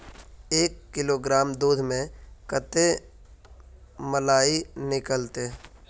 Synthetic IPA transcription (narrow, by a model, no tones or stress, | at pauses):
eːkːɪloɡɾaːmd̪uːd̪ʱmẽkət̪e | məlaːinɪkəlt̪e